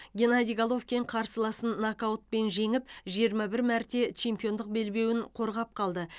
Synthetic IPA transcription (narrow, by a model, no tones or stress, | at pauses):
ɡʲe̞nad̪ʲijɡalˠo̞fkʲeɴqʰɑɾsəlˠɑsənːakaot̪̚pe̞nʒe̞ŋɪpʒijəɾmɑbɪɾmæɾt̪e̞t͡ʃʰe̞mpijo̞nd̪əq̚be̞lbe̞wɪɴqʰo̞ɾʁɑp̚qʰɑlˠd̪ə